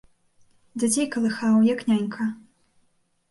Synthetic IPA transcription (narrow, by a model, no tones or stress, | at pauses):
dʲad͡zʲejkɐlˠɨxawjaknʲanʲkʰɐ